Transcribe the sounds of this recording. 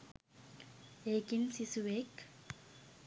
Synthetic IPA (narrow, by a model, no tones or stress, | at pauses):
ekinsisuwek